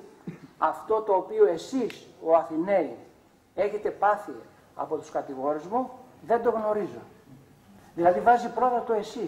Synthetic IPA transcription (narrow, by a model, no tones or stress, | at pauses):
ɐft̪o̞t̪o̞ːpio̞e̞siso̞ɐθinei | e̞çe̞t̪e̞pɐθi | ɐ̰po̞t̪u̥skɐt̪iɣo̞ɾizmuðe̞nd̪o̞ɣno̞ɾizo̞ | ðilɐðivɐzipɾo̞t̪ɐt̪o̞e̞si